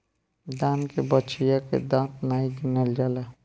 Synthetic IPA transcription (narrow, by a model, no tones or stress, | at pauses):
d̪ãːnkebət͡ʃʰijakḛd̪ãːt̪naiɡinəld͡ʒaːle